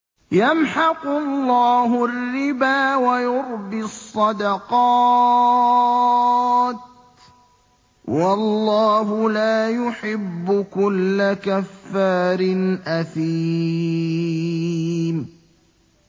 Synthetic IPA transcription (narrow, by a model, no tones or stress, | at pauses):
jamħɑqʊlːɑːɦʊrːɪbaːwajʊɾbɪsˤːɑd̪ɑqɑ | t̪ | wɑlːɑːhʊlaːjʊħɪbːʊkʊlːakafːaːɾɪnʔaθiː | m